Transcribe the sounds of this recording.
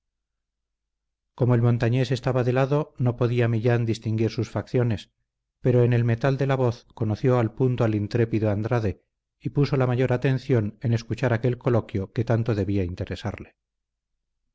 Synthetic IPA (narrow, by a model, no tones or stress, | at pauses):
ko̞moe̞lmo̞nt̪aɲe̞se̞st̪aβaðe̞laðo̞no̞po̞ðiamiʎand̪ist̪iŋɡiɾsusfakθjo̞ne̞s | pe̞ɾo̞ene̞lme̞t̪ald̪e̞laβo̞θko̞noθjo̞alpunt̪oalint̪ɾe̞piðoand̪ɾaðe̞ | ipuso̞lamaʝo̞ɾat̪e̞n̟θjo̞nene̞skut͡ʃaɾake̞lko̞lo̞kjo̞ke̞t̪ant̪o̞ðe̞βiaint̪e̞ɾesa̰ɾle